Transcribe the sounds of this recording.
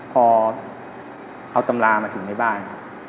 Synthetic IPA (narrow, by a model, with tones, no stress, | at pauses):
pʰɔː˧ | ʔa˧wt̪a˧mlaː˧maː˧t̪ʰɯ˩˦ŋma˥˩jbaː˥˩nkʰa˦˥p̚